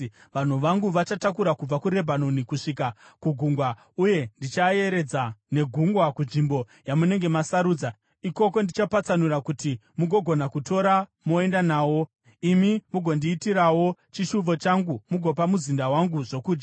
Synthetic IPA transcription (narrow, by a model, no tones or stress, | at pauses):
ʋan̤uʋaŋɡuʋat͡ʃatakuɾakub͡vakuɾe̞bʱano̞nikuʂikakuɡʱuŋɡwa | uje̞ndit͡ʃaje̞ɾe̞d͡zane̞ɡʱuŋɡwakunʐimbo̞ | jamune̞ŋɡe̞masaɾuːd͡za | iko̞ko̞ndit͡ʃapat͡sanuɾakuti | muɡʱo̞ɡʱo̞nakuto̞ɾamoe̞ndanaːwo̞ | imimuɡʱo̞ndiːtiɾawo̞t͡ʃiʃuvo̞t͡ʃaŋɡumuɡʱo̞pamuzindawaŋɡuʐo̞kuːd͡ʒɡa